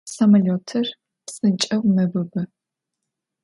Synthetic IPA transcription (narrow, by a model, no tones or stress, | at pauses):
sɐmɐloːtʰɨr | psʼɨnt͡ʃʼɐwnɐbɨbɐ